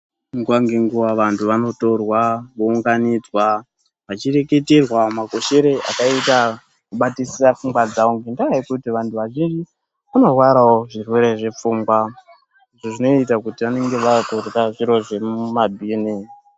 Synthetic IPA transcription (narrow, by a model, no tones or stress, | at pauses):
ŋɡuwaŋɡeŋɡuʋaʋantʰuʋano̞to̞rwaʋouŋɡanid͡zwa | ʋat͡ʃire̞ke̞te̞rwamaɡʱo̞ʃe̞ɾe̞ʔa̰kaita | kuɓatisiafuŋɡwad͡zauŋɡendakaikutiʋantʰuʋaʒind͡ʒi | kuno̞rwaɾawoʐirweɾe̞ʐe̞p͡fuːŋɡwa | iʐoʐino̞it̬akutiʋane̞ŋɡe̞ʋakurraʐiɾo̞ʐe̞mumabʱini